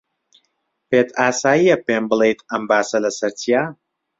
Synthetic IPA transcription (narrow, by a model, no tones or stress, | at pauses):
peːt̪ʰaːsaːjijɐpeːmbɨlˠejt̪ʰɐmbaːsɐlɐsɐɾt͡sʰijaː